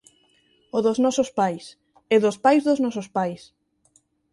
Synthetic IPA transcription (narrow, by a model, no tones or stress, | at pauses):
oðoznɔsospajs | ɛðospajzðoznɔsospajs